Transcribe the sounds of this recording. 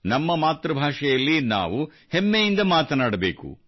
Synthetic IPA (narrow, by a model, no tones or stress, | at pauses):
nɐmːɐmaːt̪ɾɐbʱaːʂɛjɐlːina̰ːʋu | hemːejind̪ɐmaːt̪ɐnaːɽɐbeːkṵ